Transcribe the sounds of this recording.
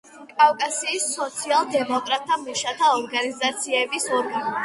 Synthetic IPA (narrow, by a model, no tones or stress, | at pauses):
kʼafkʼasiːsːɔt̪sʰialˠd̪ɛmɔkʼɾat̪ʼʰːamiʃat̪ʰaɔɾɡanizat̪sʰiɛbisɔɾɡa